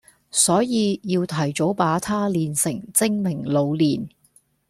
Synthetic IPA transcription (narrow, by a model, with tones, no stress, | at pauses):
sɔː˨˥jiː˨˧jiː˧wt̪ʰɐ˨˩jt͡so˨˥wpaː˨˥t̪ʰaː˥liː˨nsɪ˨˩ŋt͡sɪ˥ŋmɪ˨˩ŋlo˨˧wliː˨˩n